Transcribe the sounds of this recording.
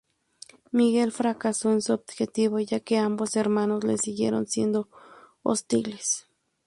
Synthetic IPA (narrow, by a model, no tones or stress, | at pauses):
miɣelfɾakasoensoob̪̚xet̪iβojakeamboseɾmanoslḛsiɣjḛɾo̰nsjend̪o | o̰st̪iles